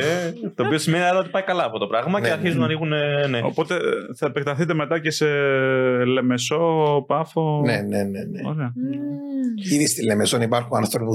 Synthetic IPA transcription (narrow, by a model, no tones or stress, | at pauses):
et̪o̞ːpio̞sime̞niɐɾɐo̞t̪ipɐjikɐlɐɐft̪o̞t̪o̞pɾɐɣmɐceɐɾçizunɐniɣuneneo̞̰po̞t̪e̞θɐepek̚t̪ɐθit̪̬e̞me̞t̪ɐce̞se̞ | le̞me̞so̞pɐfo̞neneneneo̰ɾeɐ | iðist̪ilːe̞me̞sonipɐɾxunɐnθopu